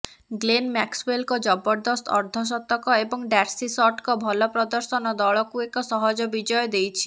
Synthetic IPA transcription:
ɡlenmɛkswelkɔd͡ʒɔbɔɾd̪ɔst̪ʰɔ̰ɾd̪ʱɔs̬ɔt̪ːɔkɔebɔŋɖɛɾsisɔʈkɔbʱɔlɔpɾɔd̪ɔɾsɔnɔd̪ɔɭɔkuekɔsɔɦɔd͡ʒɔbid͡ʒɔjɔd̪ejt͡ʃʰi̥

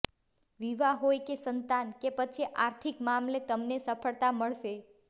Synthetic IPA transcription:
ʋiʋaɦojkesənt̪ankepət͡ʃʰiʔaɾt̪ʰikmamlet̪əmnesəpʰəɭt̪aməɭʃe

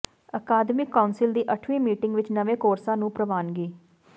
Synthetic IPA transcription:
əkaːd̪mɪkːaʊnsɪld̪iːʔəʈʰʋiːmiːʈɪ̃ŋɡʋɪt͡ʃnəʋẽːkoːɾsãːnũːpɾəʋaːnɡiː

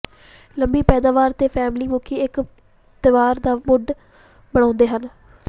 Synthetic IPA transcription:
ləmbiːpɛːd̪aːʋaːɾt̪eːpʰɛːmliːmʊkʰiːɪk | t̪ɪʋaːɾd̪aːmʊɖ | bəɽ̃ãːnd̪eːɦən

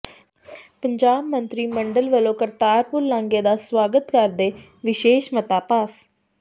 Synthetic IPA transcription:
pəɲd͡ʒaːbmə̃nt̪ɾiːməɳɖəlʋəlõːkəɾt̪aːɾpʊɾlãːŋɡeːd̪aːswaːɡət̪kəɾd̪eː | ʋɪʃeːʃmət̪aːpas

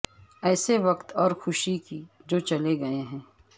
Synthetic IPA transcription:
ɛːseʋɐkt̪ɔːɾxʊʃiki | d͡ʒoːt͡ʃɐleɡɐeɦɛ̃ː

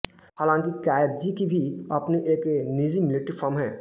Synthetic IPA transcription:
ɦaːlãːŋkikaːjɾd͡ʒikibʱiɐpniʔeːknizimɪleʈipʰɔɾmɦɛ̃ː

